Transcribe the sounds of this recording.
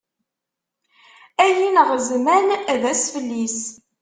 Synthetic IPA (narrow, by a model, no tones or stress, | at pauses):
æjinəʁzmænæðæsfəlːis